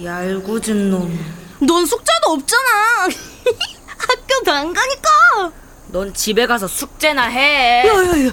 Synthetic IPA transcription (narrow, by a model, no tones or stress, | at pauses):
aɭɡod͡ʑinːonnʌnsʰuk̚t͡ɕ͈aduʌp̚t͡ɕ͈ana | ak̚k͈ʌtaŋɡaɲik͈a | nʌnt͡ɕibe̞ɡasʰʌsʰuk̚t͡ɕ͈enaɦejʌj